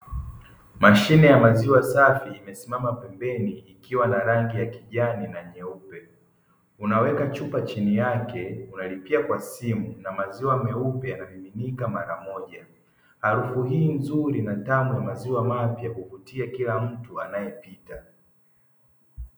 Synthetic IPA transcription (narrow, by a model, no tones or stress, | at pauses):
maʃinɛjamaziwasafiːmɛsimamapɛmbɛniːkiwanaɾaŋɡijakiʄaninaɲɛupɛ | unawɛkat͡ʃupat͡ʃinijakɛunalipiakwasimunamaziwamɛupɛjanamiminikamaɾamɔʄa | haɾufuɦiːm̩zuɾinatanɔjamaziwamapjakuvutiakilam̩tuanajɛpita